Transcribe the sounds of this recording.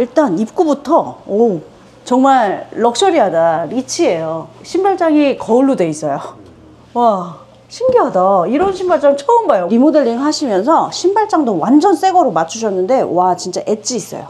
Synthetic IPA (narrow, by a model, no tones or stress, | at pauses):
iɭt͈anip̚k͈ubutʰʌo | t͡ɕʌŋmaɭːʌk̚ɕ͈ʌɾiɦadaɾit͡ɕʰie̞joɕʰimbaɭt͡ɕ͈aŋikʌuɭːudwe̞is͈ʌjo | wa | ɕʰimɡiɦadaiɾʌnɕʰimbaɭt͡ɕ͈aŋt͡ɕʰʌɯmɡajoɾimodeʎːiŋɦaɕʰimjʌnsʰʌɕʰimbaɭt͡ɕ͈aŋdowand͡ʑʌns͈e̞ɡʌɾomat͡ɕʰuɕʰʌnːɯnde̞wat͡ɕint͡ɕ͈a̰ʔe̞t͡ɕ͈iːs͈ʌ̰jo̰